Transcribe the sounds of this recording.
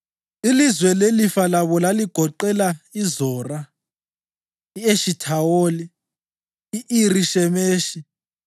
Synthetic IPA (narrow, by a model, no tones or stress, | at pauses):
ilizwɛlelifalaβɔlaliɡ̥ʱɔǃɛlaizɔːra | ieʃitʰawoli | iʔiriʃɛmeːʃi